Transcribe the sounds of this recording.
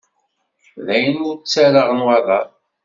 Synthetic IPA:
ðæjənʊɾt͡sːæɾəʁnwaðˤɑ

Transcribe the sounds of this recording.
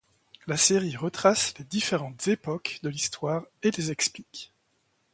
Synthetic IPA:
laseʁiʁət̪χasled̪ifeʁɑ̃t̪z̥epɔkd̪əlist̪waːʁelezɛksplik

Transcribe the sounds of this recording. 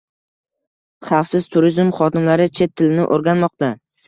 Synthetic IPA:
χɑfsɪz̥t̪ʰʊɾizmχɒt̪ɪnlaɾɪt͡ʃʰe̞t̪ʰːɪlɪnɪ̰ʔoɾɡʲanmɒq̚t̪a

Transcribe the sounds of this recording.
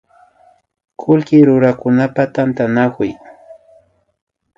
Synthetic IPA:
kʰʊlkɪɾʊɾakʊnapat̪ant̪anakʊj

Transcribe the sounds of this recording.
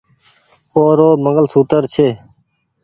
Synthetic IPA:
oːɾoːməŋɡəlsuːt̪əɾt͡ʃʰeː

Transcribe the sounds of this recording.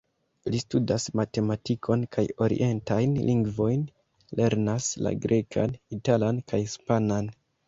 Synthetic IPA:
listudasmate̞matikʰo̞nkʰajo̞ɾḭʔe̞ntajnlʔiŋɡvo̞jn | le̞ɾnasla̰ɡɾʔe̞kʰa̰nitalankʰajspanan

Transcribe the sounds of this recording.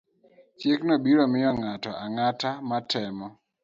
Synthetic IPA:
t͡ʃjeknɔbiɾɔmɪɔŋatɔʔaŋatamatʰɛmɔ

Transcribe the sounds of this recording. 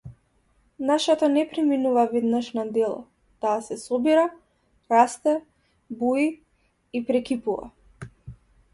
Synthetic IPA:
naʃɛt̪anɛpɾiminuvavɛd̪naʃnad̪ɛlˠɔ̰ | t̪aːsɛsɔbiɾa | ɾast̪ɛ | bui | ipɾɛkipuva̰

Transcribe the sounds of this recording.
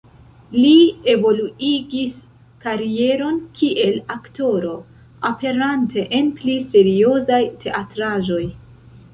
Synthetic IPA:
lie̞vo̞luiɡis | kaɾie̞ɾo̞nkʰiʔe̞lakto̞ɾo̞ | ape̞ɾantʰe̞ʔenplise̞ɾio̞zajtʰe̞ʔatɾaʒo̞j

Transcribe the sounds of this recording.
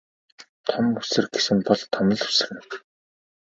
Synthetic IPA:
t̪ʰɔmusɘ̆rɡesɘ̆mpɔɮt̪ʰɔmə̆ɮu̥sɘ̆rɘ̆n

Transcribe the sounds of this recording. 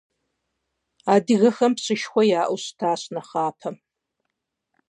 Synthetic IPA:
aːdɨɣɐxɐmpɕɨʃxʷɔjaːʔʷʊɕtʰaːɕnɐχaːpʰɐ

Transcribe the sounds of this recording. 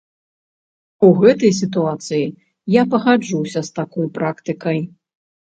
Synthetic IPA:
uɣɛt̪ɐjs̬ʲit̪uat̪sɨji | japɐɣad͡ʐuwsʲɐst̪akɔjpɾakt̪ɨkɐj

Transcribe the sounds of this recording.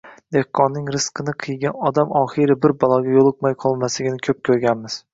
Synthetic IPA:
d̪e̞hqʰːɒnːɪŋɾɪsqʰɨnɪqʰɨjɡʲanɒd̪amɒχɨɾɪbɪɾbɒlˠɒɡʲajolˠɨqmajqʰɒlˠmaslɪɡʲɪnɪkʲʰɵp̚kʲʰɵɾɡʲanmɪz̥

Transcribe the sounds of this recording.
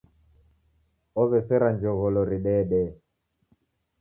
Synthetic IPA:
ɔβɛsɛɾand͡ʒɔɣɔlɔɾiɗɛɗɛ

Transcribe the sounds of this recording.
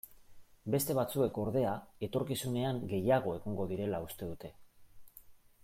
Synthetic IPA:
be̞st̪e̞βat͡sue̞ko̞ɾðe̞ae̞t̪o̞ɾkisune̞aŋɡe̞jaɣ̞o̞e̞ɣiŋɡo̞ðiɾe̞laust̪e̞ðut̪e̞

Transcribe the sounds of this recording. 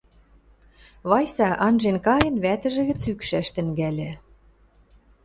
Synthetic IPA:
βɑjsɑʔɑnʒenkɑjɤ̆nβæt̪ɘ̆ʒɘ̆ɣɘ̆t͡sykʃæʃt̪ɘ̆ŋɡælʲĕ

